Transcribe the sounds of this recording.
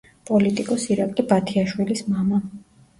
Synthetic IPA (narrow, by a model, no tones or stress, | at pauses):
pʼɔlit̪ʼikʼɔsiɾakʼlibat̪ʰiaʃwilismama